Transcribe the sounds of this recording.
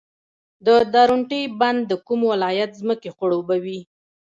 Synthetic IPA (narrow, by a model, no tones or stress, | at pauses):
d̪əd̪ɑɾuɳʈəjband̪ːəkumwɪlɑjat̪zməkexʊɽobawi